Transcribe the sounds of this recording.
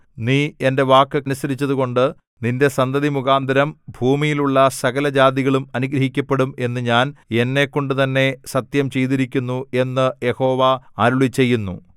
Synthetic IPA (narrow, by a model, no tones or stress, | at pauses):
niːe̞nde̞ʋaːkːɨɐnusɐɾit͡ɕːɐðuɣo̞ɳɖɨ | ninde̞sɐnd̪ɐðimukaːnd̪ʱɐɾɐmbʱuːmijiluɭːɐsɐɣɐlɐd͡ʑaːd̪iɣɐɭumɐnuɡɾɐɦikʲːɐpːe̞ɽume̞nːɨɲaːne̞nːe̞kːo̞ɳɖɨt̪ɐnːe̞sɐt̪jɐmt͡ɕe̞jt̪̬iɾikʲːunːue̞nːɨje̞ho̞ːʋɐaːɾuɭit͡ɕːe̞jːunːṵ